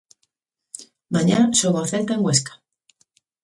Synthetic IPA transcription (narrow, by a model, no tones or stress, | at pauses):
maɲaʃoɣoaθeɾk̪aeŋɡweskḁ